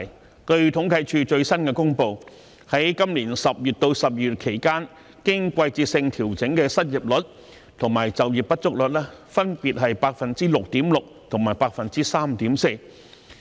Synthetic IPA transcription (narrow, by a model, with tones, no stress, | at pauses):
kɵ˧ɥt̪ʰʊ˨˥ŋkʰɐ˨˧˥jt͡ʃʰyː˧t͡ʃɵ˧ɥsɐ˥nkɛː˧kʊ˥ŋpo˧w | hɐ˨˥jkɐ˥mliː˨˩nsɐ˨p̚jyː˨˩t̚t̪o˧wsɐ˨p̚jyː˨˩t̚kʰe˨˩jkaː˥n | kɪ˥ŋkʷɐ˧jt͡siː˧t̚sɪ˧ŋt̪ʰiː˨˩wt͡sɪ˨˥ŋkɛ˧sɐ˥t̚ji˨p̚lɵ˨˥t̚ | t̪ʰʊ˨˩ŋmaː˨˩jt͡sɐ˨wji˨˩p̚pɐ˥t̚t͡sʊ˥k̚lɵ˨t̚lɛː˥fɐ˥npiː˨t̚ɦɐ˨jpaː˧k̚fɐ˨nt͡siː˥lʊ˨k̚t̪iː˨˥mlʊ˨k̚t̪ʰʊ˨˩ŋmaː˨˩jpaː˧k̚fɐ˨nt͡siː˥saː˥mt̪iː˨˥mse˧j